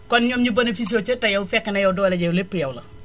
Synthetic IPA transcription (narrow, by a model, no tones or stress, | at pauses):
kɔnɲɔːmɲubɐnɐfis̬oːt͡ʃɐtɐjɐwfɛkːɐnɐjɐwdɔːlɐɟɐjlepːjɐwlɐ